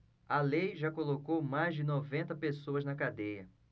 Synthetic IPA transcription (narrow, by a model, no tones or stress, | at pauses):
ɐlejʒakolokowmajzd͡ʒɪnovẽnt̪ɐpesoɐznɐkad̪ejɐ